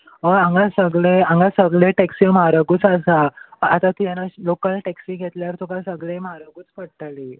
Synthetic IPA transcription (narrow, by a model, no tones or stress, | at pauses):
əãŋɡasəɡɭeãŋɡasəɡɭeʈɛksimaɾəɡuːt͡sasaːt̪at̪ijanːalokəlʈɛksiɡʱet̪ljaɾt̪ʰokasəɡɭemaɾəɡuːt͡spəɽʈ̪ali